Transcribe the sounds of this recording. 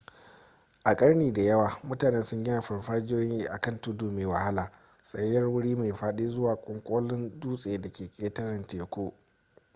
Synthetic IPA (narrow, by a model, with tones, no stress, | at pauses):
ʔa˨kʼɐ˦ɽniː˨da˨jɐ˦waː˨mʊ˦taː˨neː˦nsʊ˦ɲɡɪ˦na˨ɸɐ˨ɽɸaː˦d͡ʒoː˦jɪ˦i˦ʔa˨kɐ˦˨ntʊ˦duː˨meː˨wɐ˨ha˦laː˨ | sʼɐː˦ɐ˦rwʊ˦ɽiː˦ma˨jɸaː˦ɗiː˦zʊ˦waː˨kʷʼʊ˦ŋkʷʼoː˦lɪ˦nduː˦sʼɪ˨jeː˦da˨kʲeː˨kʲʼeː˦tɐ˦ɽɪ˨nteː˨kʷoː˦ʔ